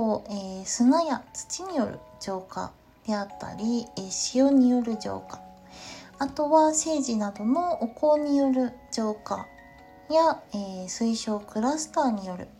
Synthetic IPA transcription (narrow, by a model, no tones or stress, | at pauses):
oeːsɨnajat͡sɨ̥t͡ɕiɲ̟ijo̞ɾɯ̟̰ | ʑo̞ːka̰ | d̪̥e̞at̪ːa̰ɾʲieɕijo̞ɲ̟ijo̞ɾɯ̟d͡ʑo̞̰ːkḁ | at̪o̞βase̞ːʑinad̪o̞mo̞ːko̞ːɲ̟ijo̞ɾɯ̟d͡ʑo̞ːka̰ | jaesɨiɕo̞ːkɯ̟ɾasɨ̥t̪aːɲ̟ijo̞ɾɯ̟̰